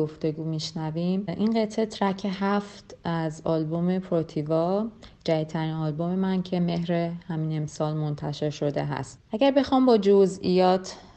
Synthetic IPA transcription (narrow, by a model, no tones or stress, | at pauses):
oft̪e̞ɡuːmiʃnævimʔinɢet̪ʰet̪ʰɾæcʰe̞ɦæft̪æzɒlbome̞pʰɾot̪ʰivɒd͡ʒæit̪ʰːæɾinɒlbo̞me̞mæncʰe̞me̞ɦɾehæmiːnemsɒːlmo̞nt̪ʰæʃe̞ɾʃo̞d̪e̞ɦæ̰st̪ʔæɟæɾbe̞xɒːmbɒːd͡ʒozijɒːt̪ʰ